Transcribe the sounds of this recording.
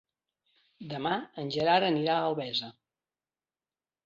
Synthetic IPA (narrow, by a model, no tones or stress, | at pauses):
d̪əmaənʲʒəɾaɾəniɾaəlˠβɛzə